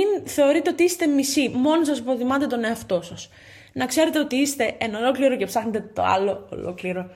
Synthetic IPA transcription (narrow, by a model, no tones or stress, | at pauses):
inθe̞o̞ɾit̪e̞o̞t̪iist̪e̞misimo̞nosɐsipoθimɐt̪e̞t̪o̞ne̞ɐft̪o̞sɐs | nɐkse̞ɾe̞t̪eot̪iist̪e̞enɐolo̞kliɾo̞ce̞psɐxnet̪e̞t̪o̞̰ɐ̰lo̞̰ːlo̰kliɾo̞